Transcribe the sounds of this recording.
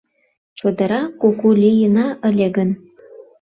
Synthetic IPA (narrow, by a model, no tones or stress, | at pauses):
t͡ɕurd̪ɑɾɑkokulʲijə̆nɑʔə̆lʲeɡə̆n